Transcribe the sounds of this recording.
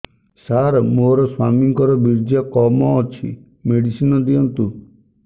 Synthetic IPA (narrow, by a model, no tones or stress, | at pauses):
saɾmoɾɔswa̰miŋkɔɾɔbiɾd͡ʒakɔmɔːt͡ʃʰḭ | meɽisinɔd̪iɔnt̪u